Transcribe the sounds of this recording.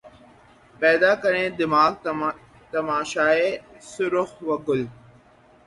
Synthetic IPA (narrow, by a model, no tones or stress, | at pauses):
pɛːd̪aːkəɾẽːd̪ɪmaːɡ̚ | t̪əmaːʃaːeːsʊɾʊxʋəɡʊl